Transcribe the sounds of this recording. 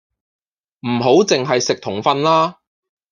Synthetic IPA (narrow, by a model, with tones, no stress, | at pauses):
m̩˨˩ɦo˨˥wt͡sɪ˨ŋɦɐ˨jsɪ˨k̚t̪ʰʊ˨˩ŋfɐ˧nlaː˥